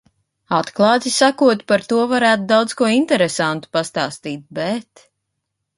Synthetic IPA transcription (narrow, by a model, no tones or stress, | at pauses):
at̪klˠɑːt̪isakuɔt̪paɾt̪uɔvaɾæːt̪ud̪awd̪z̥kuɔint̪ɛɾesant̪u̥past̪aːst̪iːt̪̚bɛt̪